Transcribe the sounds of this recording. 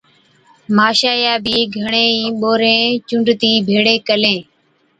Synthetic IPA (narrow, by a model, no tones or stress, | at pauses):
maːʃaːjaːbʱiːɡʱəɳẽːĩːɓoːɾẽːt͡ʃʊɳɖt̪iːbʱeːɽeːkəlẽː